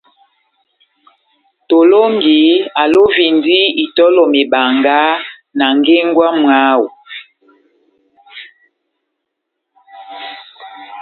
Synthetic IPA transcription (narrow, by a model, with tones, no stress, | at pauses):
to˨lo˦ŋ˦ɡi˨˦a˨lo˦vi˨ndi˦i˨tɔ˦lɔ˨me˨ba˨ŋɡa˦ | na˨ŋ˦ɡe˦ŋ˦ɡwa˦mwa˦wu˨